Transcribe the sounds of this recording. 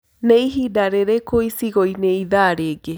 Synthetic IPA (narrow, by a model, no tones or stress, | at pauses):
neiɦidaɾeɾekoisiɣoineiðaɾeɡe